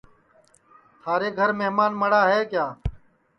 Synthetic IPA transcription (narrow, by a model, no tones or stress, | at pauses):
t̪ʰaːɾeːɡʱəɾmeɦmaːnməɽaːɦeːkjaː